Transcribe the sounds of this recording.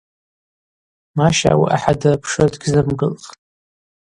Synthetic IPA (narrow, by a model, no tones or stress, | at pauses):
maʃa̰wḭʔaħadapʰʂɨdɡʲzɨmɡɨlχʼ